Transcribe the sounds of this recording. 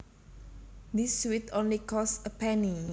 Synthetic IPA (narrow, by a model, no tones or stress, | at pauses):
d̪iswit̪onlikɔsəpʰɛni